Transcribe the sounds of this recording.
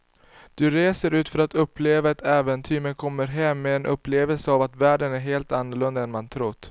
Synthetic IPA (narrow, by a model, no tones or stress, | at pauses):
d̪̥ɵɾeːsəɾʉ̟ːt̪fœɾat̪ɵpːleːvaat̪ɛːvənt̪ʰyːmənkʰɔmːəɾɦɛmːɛːnʔɵ̰pːleːvɛlsəavat̪væːɖənæɾɦeːlt̪anːʊɭɵnd̪aɛnmant̪ʰɾʊt̪ː